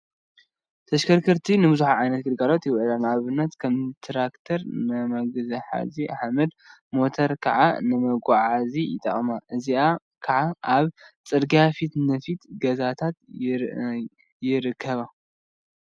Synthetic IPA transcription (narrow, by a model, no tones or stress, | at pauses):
t̪ʰɐʃkʰɐɾkʰɨɾt̪ʰinɨbɨzuħaʕajnɐt̪ɡɨd̪ɡalot̪jɪwʔlanaβɨnːɐt̪kʰɐmt̪ʰɾakt̪ʰɐɾnɨmɐɡɨzɐħa̰ziʔaħmɐd̪̚mo̞t̪ʰɐɾkʰɐ̰ʕa̰nɨmɐɡʷaʕazijɪ̰t̪ʼɐ̰χʼmaʔɨzia | kʰɐʕaʔaβt͡sʼɨd̪ɡiafit̪nɨfit̪ɡɐzat̪ʰat̪ | jɪɾɨkʰːɐβa